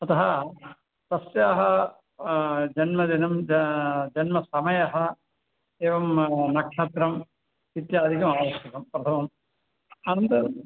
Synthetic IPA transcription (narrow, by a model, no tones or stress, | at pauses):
ɐt̪ɐɦɐ | t̪ɐsjaːɦɐ | d͡ʒɐnmɐd̪inɐm | d͡ʒɐnmɐsɐmɐjɐɦɐ | eːʋɐmnɐkʂɐt̪ɾɐm | it̪jɐːd̪ʱikɐmaːʋɐst̪ɐk̪ɐmpɾɐt̪ʰɐmɐm | aːnɐnt̪ɐ